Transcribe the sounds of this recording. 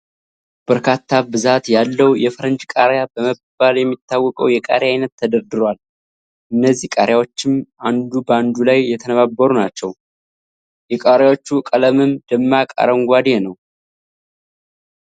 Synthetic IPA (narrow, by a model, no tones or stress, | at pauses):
b̥əɾkʰat̪ʰːabɨzat̪jalːəwjɛfɾənd͡ʒkʼaɾjabəməbaljɛmːit̪ʰːawːɔkʼəwjɛkʼa̰ɾjajnət̪ʰːəd̪əɾd̪ɨɾal | ʔɨnːəzːihkʼaɾjawo̞t͡ʃːɪmʔand̪ubəand̪ulajːɛt̪ʰənəβabːəɾunat͡ʃːɛw | jɛkʼaɾjawot͡ʃːukʼələmɨmd̪əmːakʼa̰ɾəŋɡʷad̪enəw